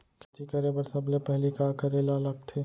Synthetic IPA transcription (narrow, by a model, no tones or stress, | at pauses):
kɪt̪ikəɾebəɾsɐblepɛɦlikaːkɐɾelalɐɡt̪ʰeː